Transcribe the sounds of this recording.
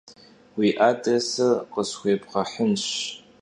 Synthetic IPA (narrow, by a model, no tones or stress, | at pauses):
wiʔatʼesɨqʼəsxʷeːpʰʼqɐħənʃ